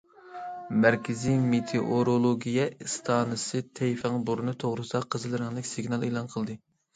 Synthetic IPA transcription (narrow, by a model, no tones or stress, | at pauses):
mæɾkʲʰɪzimet̪ʰeʔoɾolˠoɡʲijɛist̪ʰɑːnɨsɨt̪ʰɛjfæŋbuɾnɨt̪ʰoʁɾɨsɑqʰəzɨlˠɨɾɨŋlˠɪkʲsɪɡʲnɑlˠelˠɑnqʰəlˠd̪ɨ